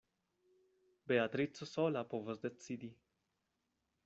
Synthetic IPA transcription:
beat̪ɾit̪sosolapovosd̪et͡ssid̪i

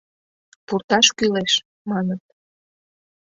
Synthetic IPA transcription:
purt̪ɑʃkyleʃ | mɑnət̪̚

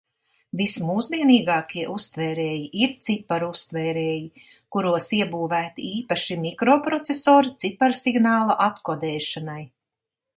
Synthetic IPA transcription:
vismuːzd̪iɛniːɡɑːkʰiɛʔust̪vɛːɾɛːjiʔiɾt̪sipaɾust̪vɛːɾɛːji | kuɾuɔsiɛbuːvæːt̪iiːpaʃimikɾoːpɾɔt̪sesoːɾit̪sipaɾsiɡnɑːlˠaʔat̪kɔd̪ɛːʃanaj

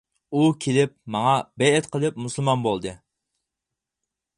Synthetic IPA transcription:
ukʲʰelɪp̚mɑŋɑbɛjɛt̪qʰəlˠɨp̚musɨlˠmɑnbolˠd̪ɨ

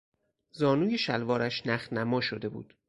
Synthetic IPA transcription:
zɒːnuːje̞ʃælvɒːɾæʃnæxnæmɒːʃod̪e̞bṵːd̪̥

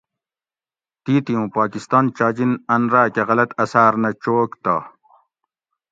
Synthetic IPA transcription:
t̪iːt̪ijũːpaːkist̪aːnt͡ɕaːd͡ʑinɐnɾaːkeɣɐlɐt̪ɐsaːɾnɐt͡ɕoːkt̪a̰ː

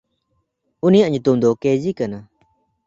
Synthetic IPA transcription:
unijaʔɲut̪umd̪ɔked͡ʒikana

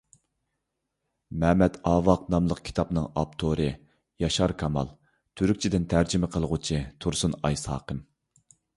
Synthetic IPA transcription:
mɛːmɛt̪ɑːvɑq̚nɑmlˠəqkʲʰi̥t̪ʰɑpnɨŋɑp̚t̪ʰoɾɨ | jɑʃɑɾkʰɑmɑ̰lˠ | t̪ʰyɾykʲt͡ʃʰid̪ɪnt̪ʰæɾd͡ʒimɪqʰəlˠʁʊt͡ʃʰit̪ʰuɾsunɑjshɑ̰ːqʰəm

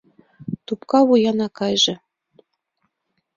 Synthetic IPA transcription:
t̪upkɑβujɑnɑkɑjʒɤ̆

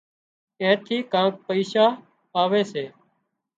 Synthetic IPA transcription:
ẽːt̪ʰiːkãːk̚pəiːsaː | aːʋeːseː

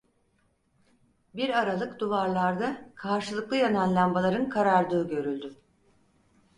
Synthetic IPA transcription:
biɾaɾalˠɯkd̪uvaɾlˠaɾd̪akʰaɾʃɯlˠɯklˠɯjananlˠambalˠaɾɯnkʰaɾaɾd̪ˠɯːɟø̞ɾylʲd̪y

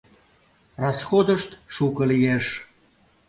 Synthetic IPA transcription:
rɑsxod̪əʃt̪ʃukəlijeʃ

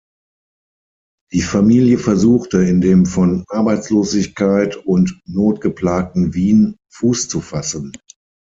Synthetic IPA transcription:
d̥iːfamiːljəfɛɐzuːxtəɪndeːmfɔnʔaɐbaɪt͡sloːzɪçkaɪtʊntnoːtɡ̥əpl̥aːk̚tn̩viːnfuːst͡sufasən

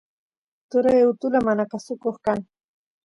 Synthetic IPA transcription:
t̪ʊɾajʊt̪ʊlamanakasʊkoχkaŋ

